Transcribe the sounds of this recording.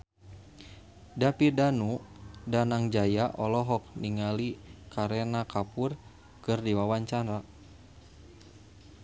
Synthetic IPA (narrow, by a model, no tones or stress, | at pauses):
dapidanudanaŋd͡ʒajaʔɔlɔɦɔk̚niŋalikaɾɛnakapur | kɨrdiwawaɲt͡ʃaɾa